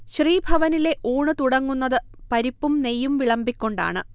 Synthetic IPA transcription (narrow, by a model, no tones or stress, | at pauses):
ɕriːbʱɐʋɐnile̞ʔuːɳɨt̪uɽɐŋːunːɐðɨ | pɐɾipːumne̞jːumʋiɭɐmbikʲːo̞ɳɖa̰ːɳɨ